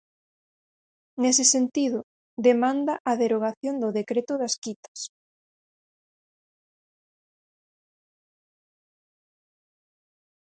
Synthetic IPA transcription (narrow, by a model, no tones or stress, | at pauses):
nesɪsent̪iðʊ | d̪emãnd̪aʔɐðeɾoɣ̞aθjond̪ʊðekɾet̪ʊðaskit̪ɐ̥s